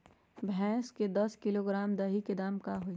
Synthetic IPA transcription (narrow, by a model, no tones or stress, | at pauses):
bʱɛ̃ːsked̪ɐskɪloɡɾaːmd̪ɐɦiked̪aːmkaɦoi